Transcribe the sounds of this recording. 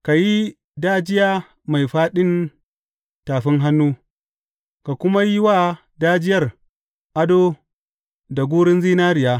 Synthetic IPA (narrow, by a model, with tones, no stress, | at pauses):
ka˨ji˦ | daː˦d͡ʒɪ˦jaː˦ | ma˨jɸaː˦ɗɪ˦n | taː˨ɸɪ˦ŋɦa˦nːuː˦ | ka˨kʷʊ˦ma˦ji˦waː˦ | daː˦d͡ʒɪ˦jɐ˦˨r | ʔa˦doː˦ | da˨ɡʷuː˦ɽɪ˦nziː˦naː˦ɾɪ˨jaː˦